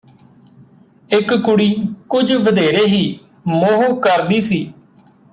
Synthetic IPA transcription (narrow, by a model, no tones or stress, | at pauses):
ɪkːʊɽiːkʊd͡ʒʋəd̪eːɾeːɦiː | moːɦuːkəɾd̪iːsiː